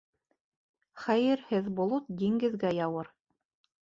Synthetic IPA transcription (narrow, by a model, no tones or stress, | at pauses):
χæjɘɾhɘðbŏlˠot̪̚d̪ʲiŋɡɘ̆ðɡæjɑwɤɾ